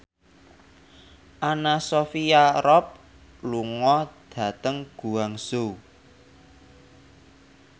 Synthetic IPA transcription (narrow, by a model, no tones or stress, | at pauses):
ʔanasofijaɾɔp̚ | luŋɔd̪̥ä̤t̪əŋɡ̥ṳwaŋso